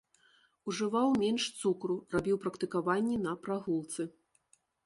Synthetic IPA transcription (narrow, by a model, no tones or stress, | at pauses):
uʐɨvawmʲɛnʂt̪sukɾurabʲiwpɾɐkt̪ɨkavanʲːɛnɐpɾaɣulˠt̪sɨ